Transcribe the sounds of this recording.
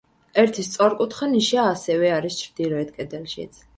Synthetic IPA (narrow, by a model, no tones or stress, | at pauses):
ɛɾt̪ʰist̪sʼɔɾkʼut̪ʰχaniʃaːsɛvɛaɾist͡ʃʰɾd̪ilɔɛt̪̚ʰkʼɛd̪ɛlʃḭt̪sʰ